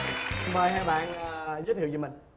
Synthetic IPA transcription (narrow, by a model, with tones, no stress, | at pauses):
ɓəː˧˩jɦaː˧ɓa̰ː˧˨nː˨˩zəː˨˦t̪̚ʰi˧˨t͡ɕə˧˩mï˨˩ŋ̟